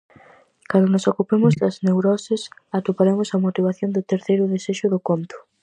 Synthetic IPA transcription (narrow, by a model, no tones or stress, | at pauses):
kand̪onʊsokupemʊzd̪ɐznewɾɔsɪsat̪upaɾemʊsɐmot̪iβ̞aθjond̪ʊt̪eɾθejɾʊðeseʃʊðʊkont̪ʊ̥